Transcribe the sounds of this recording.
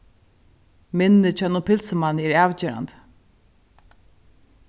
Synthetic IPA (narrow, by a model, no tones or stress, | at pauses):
mɪnːɪt͡ʃʰœnʊpʰɪlsəmanɛɹaːwt͡ɕeːɾa̰nt̪